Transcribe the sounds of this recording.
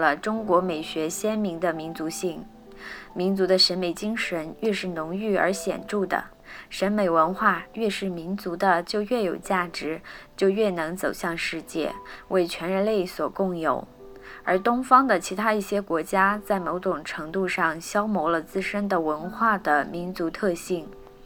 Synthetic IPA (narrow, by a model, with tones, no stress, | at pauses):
lə˩ʈ͡ʂʊ˥ŋkwɔ˧˥me˨˩ɪɕɥɛ˧˥ɕjɛ˥nmi˧˥ŋd̪ə˧˨mi˧˥nt͡su˧˥ɕi˥˩ŋ | mi˧˥nt͡su˧˥d̪ə˧ʂə˧˥nme˨˩ɪt͡ɕi˥ŋʂə˧˥nɥɛ˥˧ʂɻ̩˥˩nʊ˧˥ŋy˥˩ə̰˞˧˥ɕjɛ̰˨˩nʈ͡ʂu˥˩d̪ə̰˩ | ʂə˧˥nme˨˩ɪwə˧˥nxwa˥˧ɥɛ˥˧ʂɻ̩˥˩mi˧˥nt͡su˧˥d̪ə˧t͡ɕjo˥˧ʊɥɛ˥˩jo˨˩ʊt͡ɕja˥˩ʈ͡ʂɻ̩˧˥t͡ɕjo˥˧ʊɥɛ˥˩nɤ˧˥ŋt͡so˨˩ʊɕjɑ˥˧ŋʂɻ̩˥˧t͡ɕjɛ̰˥˩wʔe˥˩ɪt͡ɕʰɥɛ˧˥nɻə˧˥nle˥˩ɪswɔ˨˩kʊ˥˩ŋjo̰˨˩˦ʊ | ə˞˧˥t̪ʊ˥ŋfɑ˥ŋd̪ə˨t͡ɕʰi˧˥t̪ʰa˥i˥˩ɕjɛ˥kwɔ˧˥t͡ɕja˥t͡sa˥˩ɪmo˧˥ʊʈ͡ʂʊ˨˩ŋʈ͡ʂʰɤ˧˥ŋt̪u˥˧ʂɑ˥˩ŋɕjɑ˥ʊmo˧˥ʊlə˧t͡sɹ̩˥˧ʂə˥nd̪ə˨wə˧˥nxwa˥˩d̪ə˩mi˧˥nt͡su˧˥t̪ʰɤ˥˧ɕi˥˩ŋ